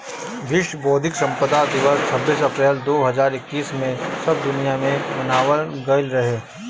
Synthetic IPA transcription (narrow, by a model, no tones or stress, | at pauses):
ʋɪʃwəboːd̪ʱɪksɐ̃mpəd̪ad̪ɪʋəst͡ʃʰɐbːiːsɐpɾɛːld̪oːɦɐzaːɾɪkːiːsmẽsɐb̚d̪ʊnijamẽmɐnaːʋənɡəɪlɾɐɦeː